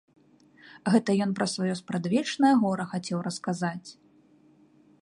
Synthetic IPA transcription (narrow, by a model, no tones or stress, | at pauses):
ɣɛt̪ɐjɔnpɾɐsvajɔspɾad̪vʲɛt͡ʂnɐjɐɣɔɾɐxat͡sʲɛwɾɐskazat͡sʲ